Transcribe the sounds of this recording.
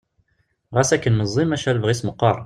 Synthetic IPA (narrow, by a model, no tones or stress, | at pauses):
ʁæsækːənməzˤːimæʃælvʁisməqːɑɾˤ